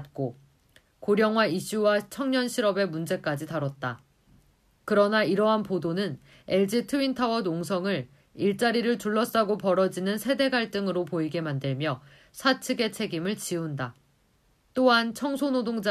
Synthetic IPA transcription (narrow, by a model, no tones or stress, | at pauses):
t̚k͈o | koɾjʌŋwaiɕ͈uwat͡ɕʰʌŋɲʌnɕʰiɾʌbe̞mund͡ʑe̞k͈ad͡ʑitaɾʌt̚t͈a | kɯɾʌnaiɾʌɦanpodonɯn | e̞ɭd͡ʑitʰɯintʰawʌnoŋsʰʌŋɯɭ | iɭt͡ɕ͈aɾiɾɯɭtuɭːʌs͈aɡopʌɾʌd͡ʑinɯnsʰe̞de̞ɡaɭt͈ɯŋɯɾopoiɡe̞mandɯɭmjʌ | sʰat͡ɕʰɯɡe̞t͡ɕʰe̞ɡimɯɭt͡ɕiunda | t͈oɦant͡ɕʰʌŋsʰonodoŋd͡ʑa